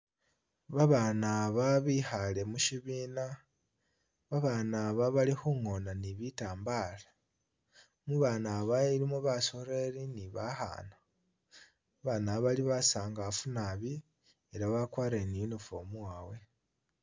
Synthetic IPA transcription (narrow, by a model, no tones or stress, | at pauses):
βaβanaβaβihale̞muʃiβiːna | βaβaːnaβaβalixuŋo̞naniβitaːmbaːla | muβaːnaβaiɾimoβaso̞ɾe̞ɾiniβaxa̰ːna | βanaβaliβasaːŋɡafunaβi | eɾaβakwaːɾeninufomuwaːwe̞